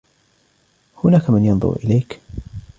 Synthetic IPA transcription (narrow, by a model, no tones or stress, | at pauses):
hʊnaːkamɪnjɑnðˤʊ̰ɾʔɪ̰lajk